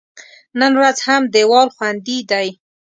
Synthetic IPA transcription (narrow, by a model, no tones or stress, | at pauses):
nənwazhamd̪ewɑlxwand̪id̪aj